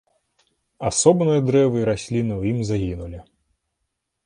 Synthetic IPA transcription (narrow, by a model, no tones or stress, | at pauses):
ɐsɔbnɔjid̪ɾɛʋɨiɾɐsʲlʲinɪwjimzɐɦʲinʊlʲi